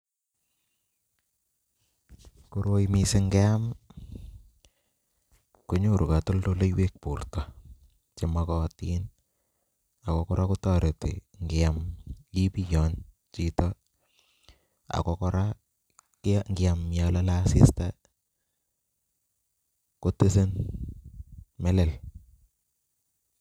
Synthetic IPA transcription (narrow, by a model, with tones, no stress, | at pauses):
ku˨ɾo˦jmi˨sɪ˦ŋɡɛ˦a˦m | ko˦ɲo˦˨ɾu˨ka˨to˦ldo˦le˦jwe˦k̚pu˨rta˨ | t͡ʃe˨ma˨kɔ˨ti˦n | a˨kɔ˨kɔ˦ɾʔa˦ku˦ta˦˨ɾe˨tḭ˨ŋɡɪ˨a˨mji˦pi˦jɔ˨n | t͡ʃi˦tɔ˦ | a̰˨kɔ˦kɔ˦ɾa˦ | kŋɡɪ˨a˨mja˨la˦la˦si˦sta | ko˦te˦se˦n | mɛ˦lɛ˨l